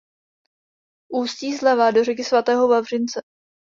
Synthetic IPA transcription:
ʔuːsc̪iːzlɛvaːdo̞rɛk̬ɪsvat̪ɛːɦovavr̝ɪnt͡sɛ

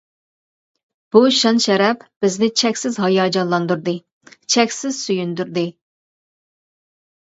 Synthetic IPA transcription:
b̥uʃɑnʃɛɾɛpb̥ɪznɪt͡ʃʰɛkʲsɪzɦɑjɑːd͡ʒɑnlˠɑnd̪uɾd̪ɨ | t͡ʃʰɛkʲsɪz̥syjynd̪yɾd̪ɨ

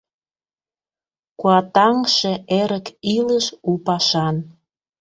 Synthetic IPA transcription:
kuɑt̪ɑŋʃĕeɾəkiləʃupɑʃɑn

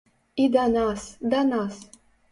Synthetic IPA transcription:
id̪ɑnɑsd̪ɑnɑs

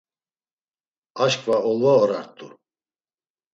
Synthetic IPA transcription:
aʃkʼvaɔlˠvaɔɾaɾt̪ʼṵ

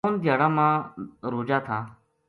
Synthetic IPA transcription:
oːnd̪ʱjaːɽãːmãːɾoːd͡ʒaːt̪ʰaː

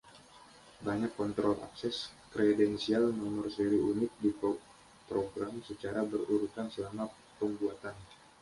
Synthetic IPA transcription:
baɲakːɔnt̪ɾɔlʔa̰ksɛskɾɛdɛnsialnɔmɔrseɾiunɪt̪̚dip | pɾoɡɾamsət͡ʃaɾabəruɾut̪ansəlama | pəmbuat̪an

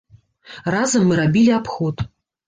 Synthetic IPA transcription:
razɐmːɨɾabʲilʲiapxɔt̪

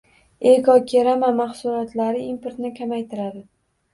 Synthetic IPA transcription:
ekɒkʲʰeɾamamaχsʊɾɒt̪ʰlaɾɪimpoɾt̪nɪkʲʰamajt̪ʰɪɾad̪ɪ

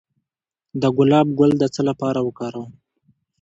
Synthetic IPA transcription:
d̪əɡʊlɑb̚ɡʊld̪ət͡səlapɑɾawəkɑɾaw

